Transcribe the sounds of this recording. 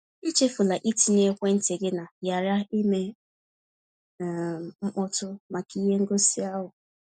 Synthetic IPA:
i˦t͡ʃe˦fʊ˨la˨ʔi˦ti˨ne˦kʷe˦n̩˦te˨ɡɪ˦na˨ja˨ɾa˦i˦me˦˨ | ŋ͡m̩˦k͡pɔ˦tʊ˦ma˨ki˦ɦe˦ŋ̩˦ɡo˦si˦a˦ɦʊ˨

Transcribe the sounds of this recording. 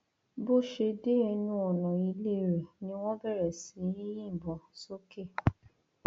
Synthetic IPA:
bo˦˨ʃe˧de˦ɛ˧nũ˧ɔ˨nɔ̃˨i˧le˦˨ɾɛ˨nĩ˧˦w̃ɔ̃˦bɛ˦˨ɾɛ˨sĩ˨˦jĩ˦jĩ˦˨bɔ̃˨so˦ke˦˨

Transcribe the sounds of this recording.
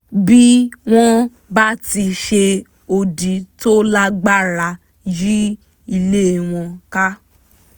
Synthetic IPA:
bi˦w̃ɔ̃˦ | ba˦ti˧ʃe˧ | o˧di˨˦to˦la˦ɡ͡ba˦˨ɾa˧˨ | ji˦ | i˧le˦˨w̃ɔ̃˧ka˦

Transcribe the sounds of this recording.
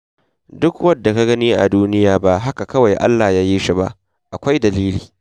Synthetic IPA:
dʊ˦kwɐ˦dːa˨ka˦ɡɐ˦niː˦ʔa̰˨duː˦nɪ˦jaː˨ba˦ʔɦa˦ka˨kɐ˦wa˨jʔa̰˦lːaː˨jaː˦jiː˦ʃi˦ba̰˦ʔ | ʔa˨kʷa˦jdɐ˨liː˦liː˨

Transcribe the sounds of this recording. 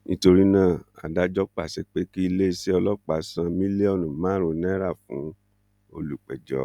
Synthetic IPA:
nĩ˦to˧ɾi˦nãː˦˨a̰˨da˨˦d͡ʒɔ˦k͡pa˦˨sɛ˨k͡pe˨˦ki˦i˧le˦˧si˦ɔ˧lɔ˦k͡pa˨sã˧mĩ˦le˦ɔ˦˨nũ˨mãː˦ɾõ˧nɛ̃˦ɾa˦˨fṵ̃˨˦ | o̰˧lu˨k͡pɛ˨d͡ʒɔ̰˨˦

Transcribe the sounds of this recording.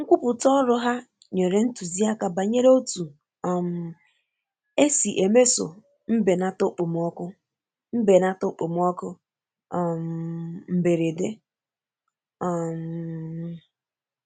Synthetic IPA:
ŋ̩˦kʷu˦pʊ˨tɔ˦ɾʊ˦ɦa˦ | ɲe˨ɾe˦n̩˦tu˨zi˦a˦ka˨ba˨ɲe˦ɾo˦tu˨ | ɔ˨m̩˨ | e˦si˨ʔe˨me˦so̰˨ | m̩˦be˨na˦tʊ˦k͡pʊ˨m˦ɔ˦kʊ˦ | m̩˦be˨na˦tʊ˦k͡po˨m˦ɔ˦kʊ˦˨ | m̩˨m̩˨be˨ɾe˨de˦ | ɔ˨m̩˨

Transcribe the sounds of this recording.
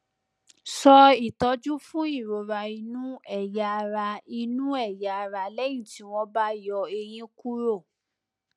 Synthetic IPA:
sɔ˧i˦˨tɔ˨˦d͡ʒu˦fũ˦i˦˨ɾo˨˦ɾa˧i˧nũ˦ɛ˦˨ja˨ɾa˧i˧nũ˦ɛ˦˨ja˨ɾa˧lɛ˦j̃ĩ˦˨ti˨˦w̃ɔ̃˧ba˦jɔ˧e˧j̃ĩ˦ku˦ɾo˦˨

